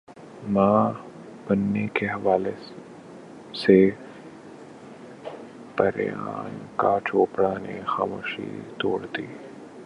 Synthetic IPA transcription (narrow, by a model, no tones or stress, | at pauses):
mãː | bɐnːekeɦɐʋaːle | se | pɐɾja̰ːnkat͡ʃoːpɽanḛxaːmoːʃḭt̪oːɽt̪iː